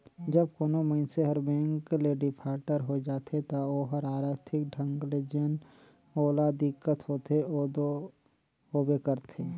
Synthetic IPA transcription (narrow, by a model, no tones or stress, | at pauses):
d͡ʒəb̚koːnoməɪnseɦɐɾbɛ̃ːŋkleɖɪpʰaːɾʈəɾɦod͡ʒaːt̪ʰet̪aoːɦəɾaːɾaːt̪ʰɪk̚ɖʱɐ̃ŋɡled͡ʒen | oːlad̪ɪkːət̪ɦoːt̪eod̪o | oːbekəɾt̪ʰeː